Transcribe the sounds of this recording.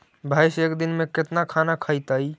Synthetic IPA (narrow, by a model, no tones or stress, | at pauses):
bʱajsekd̪inmeket̪nakʰanakʰəjt̪əj